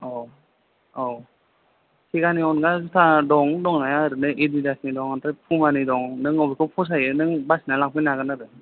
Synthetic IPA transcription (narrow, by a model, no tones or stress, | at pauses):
ɔ | ɔ | kʰiɡaniɔnɡazutʰadɔŋdɔŋnajaɾɯnɯʔididasnidɔŋantɾajpʰumanidɔŋnɯŋɔbikʰɔpʰɔs̬ajɯnɯŋbasinalaŋk̚pʰinaɡɯnaɾɯ